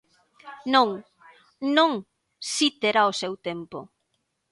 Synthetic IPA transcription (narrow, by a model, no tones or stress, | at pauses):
noŋ | nõŋ | sit̪eɾaosewt̪empo̰